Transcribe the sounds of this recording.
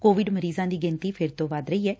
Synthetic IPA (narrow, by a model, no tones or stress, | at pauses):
koːʋɪɖməɾiːzãːd̪iːɡɪ̃nt̪iːpʰɪɾt̪õːʋaːd̪ɾəiːɛː